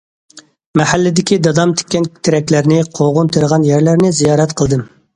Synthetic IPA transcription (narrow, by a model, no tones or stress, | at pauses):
mɛhælːɪd̪ɪkʲid̪ɑd̪ɑmt̪ʰɪ̥kʲːɛnkʲt̪ʰɪɾɛkʲlæɾnɪqʰoʁʊnt̪ʰeɾəʁɑnjæɾlæɾnɪzijɑːɾɛt̪qʰəlˠd̪ɨm